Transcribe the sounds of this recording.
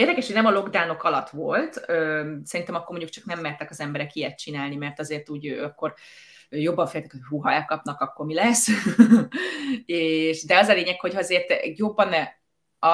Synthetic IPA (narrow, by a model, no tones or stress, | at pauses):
eːrd̪ɛkɛʃhojnɛmɒlo̞ɡd̪aːno̞kɒlɒt̪ʋo̞lt̪øːsɛɾint̪ɛmɒkːormoɲɟuk̚t͡ʃɒ̥knɛmːɛːrt̪ɛkɒzɛmbɛɾɛkijɛt̪̚t͡ʃinaːlnimɛrt̪ɒzeːrt̪uːɟøːɒkːo̞r | øjo̞bːɒɱfeːlt̪ɛ̥khojɦuːɦɒɛkɒpnɒkɒkːo̞rmilɛsː | eːʃd̪ɛɒzɒleːɲɛkho̞chɒɛzeːrt̪jobːɒnɛ | ɒ